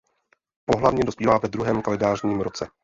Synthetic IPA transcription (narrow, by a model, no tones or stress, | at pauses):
po̞ɦlavɲɛdo̞spiːvaːvɛd̪ɾuɦɛːmkalɛdaːrɲiːmɾo̞t͡sɛ